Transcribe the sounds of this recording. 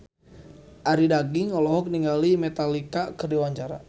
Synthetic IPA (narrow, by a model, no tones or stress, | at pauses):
ʔaɾidaɡiŋɔlɔɦɔk̚niŋɡalimɛt̪alikakərdiwaɲt͡ʃaɾa̰